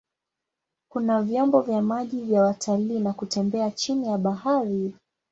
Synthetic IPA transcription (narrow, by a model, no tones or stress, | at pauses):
kunavjɔmbɔvjamaʄivjawatʰaliːnakutɛmbɛat͡ʃinijaɓaɦaɾi